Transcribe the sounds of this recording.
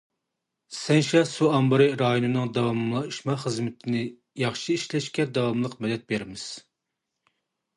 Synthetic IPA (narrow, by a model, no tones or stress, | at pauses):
sɛnʃɑsuɑmbɨɾɨɾɑjonɨnɨŋd̪ɑwɑmlˠɑiʃmɑχəzmɪt̪ʰɪnɪ | jɑχʃɨiʃlɛʃkʲɛd̪ɑwɑmlˠəqmɛd̪ɛt̪̚beɾɪmɪz̥